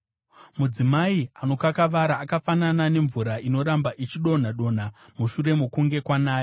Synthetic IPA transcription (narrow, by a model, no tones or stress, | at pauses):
mud͡zimaiano̞kakaʋaɾaːkafananane̞ɱvuɾaʔino̞ɾambaʔit͡ʃiɗo̞n̤aɗo̞n̤a | muʃuɾe̞mokuŋɡe̞kwanaːjo